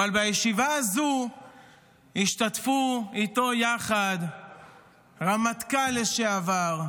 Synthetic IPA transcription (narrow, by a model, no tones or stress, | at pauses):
aalbajeʃivaːzu | iʃt̪atfuit̪o̞jaχad̪ | ʁamat̪kaleʃeavaʁ